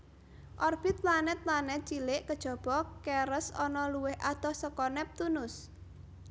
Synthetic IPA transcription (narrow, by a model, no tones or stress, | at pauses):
ʔɔrb̥ɪt̪̚lanɛt̪̚lanɛt͡ʃilɪʔkəd̥ʒ̥ɔ̤b̥ɔkɛɾəsɔnɔluwɪhʔat̪ɔsəkɔnɛp̚t̪unʊs